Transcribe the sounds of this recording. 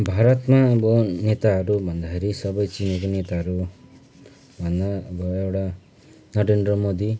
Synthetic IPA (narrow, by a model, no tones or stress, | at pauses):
bʱaɾɔt̪maebɔnet̪aːɾubɔnd̪ʱaɦeɾisɔbɔjt͡ʃineɡɔnet̪aɾu | banaebɔebɽa | nɔɾend̪ɾɔmod̪i